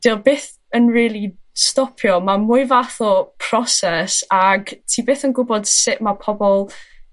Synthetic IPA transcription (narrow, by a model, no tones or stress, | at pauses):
d̥ɪlˠbeːθ | ənriːlˠistɔpʰjɔmamʊɨvaθɔpʰrɔsɛsaɡtʰiːbeːθənɡʊbɔd̥sɪʔmapʰɔbɔlˠ